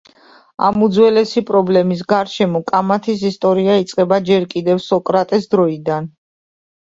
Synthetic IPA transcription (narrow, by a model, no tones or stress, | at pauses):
a̰mud̪zwɛlɛsipʼɾɔblɛmis̬ɡaɾʃɛmɔkʼamat̪ʰis̬ist̪ʼɔɾiait̪sʼqʼɛbad͡ʒɛɾkʼid̪ɛfsɔkʼɾat̪ʼɛsd̪ɾɔid̪an